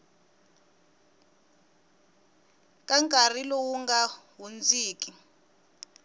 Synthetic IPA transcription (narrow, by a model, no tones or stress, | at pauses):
kʼaŋkʼarilɔwuŋɡaɦund͡ziːkʼi